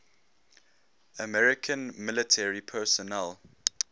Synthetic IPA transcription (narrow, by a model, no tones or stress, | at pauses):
əmɛɹɪkʰə̃nmɪlɪtʰɛɹipʰɛsɔnɛl